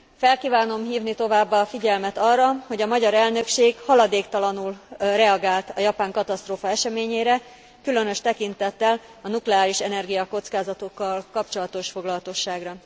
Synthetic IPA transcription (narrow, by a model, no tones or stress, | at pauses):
fɛlkiːvaːno̞mɦiːvnit̪o̞vaːbːaːfiɟɛlmɛt̪ɒrːɒho̞ɟɒmɒɟɒɾɛlnø̞kʃeːɡhɒlɒd̪eːkt̪ɒlɒnulrɛɒɡaːlt̪ɒjɒpaːŋkɒt̪ɒst̪roːfɒɛʃɛmeːɲeːɾɛ | kylø̞nø̞ʃt̪ɛkint̪ɛt̪ːɛl | ɒnuklɛaːliʃɛnɛrɡijɒko̞t̪skaːzɒt̪o̞kːɒlkɒpt͡ʃo̞lɒt̪o̞ʃfo̞ɡlɒlɒt̪o̞ʃːaːɡrɒ